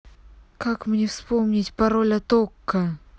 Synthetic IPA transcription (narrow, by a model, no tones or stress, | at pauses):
kakmnʲefspo̞mnʲɪtʲpɐɾo̞lʲɐt̪okːə